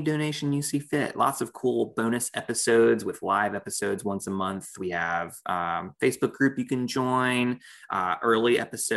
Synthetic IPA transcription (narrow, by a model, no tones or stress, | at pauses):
dõʊñeɪʃɨ̃n̩jɨsifɪ̰ʔlɑ̰tsʌv̥kʰulˠbõʊ̃ñɨsɛpɨsoʊdzwɨð̥laɪvɛpɨsoʊdzwʌ̃nsəmʌ̃nθwiɨv̥ʌfeɪsb̥ʊk̚ɡ̥ɹʉpjɨkɨ̃nd͡ʒɔ̃ɪ̃nʔʌʔɜ˞lˠiʔɛ̰pɨso